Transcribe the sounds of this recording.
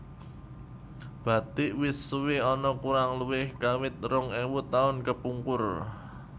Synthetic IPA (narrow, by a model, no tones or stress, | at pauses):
b̥ä̤t̪ɪʔwiswɪɔnɔkuɾaŋluwɪhkawɪt̪̚rʊŋɛwut̪aʊnkəpuŋkʊr